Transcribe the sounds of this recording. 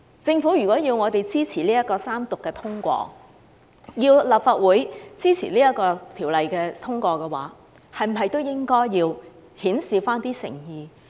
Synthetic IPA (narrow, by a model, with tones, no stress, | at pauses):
t͡sɪ˧ŋfuː˨˥ɥyː˨˩kʷɔː˨˥jiː˧wŋɔː˨˧t̪e˨jt͡siː˥t͡sʰiː˨˩liː˥jɐ˥kɔː˧saː˥mt̪ʊ˨kːɛː˧t̪ʰʊ˥ŋkʷɔ̰ː˧ | jiː˧wlaː˨˩p̚faː˨t̚wuː˨˥jt͡siː˥t͡sʰḭ˨˩liː˥jɐ˥t̚kɔː˧t̪ʰiː˨˩wlɐ˨jkɛː˧t̪ʰʊ˥ŋkʷɔː˧kɛː˧wa̰ː˨˥ | hɐ˨jm̩˨˩ɦɐ˨jt̪o˥wjɪ˥ŋkɔː˥jːiː˧w | hiː˨˥nsiː˨˧faː˥nt̪iː˥sɪ̰˨˩ŋjiː˨˧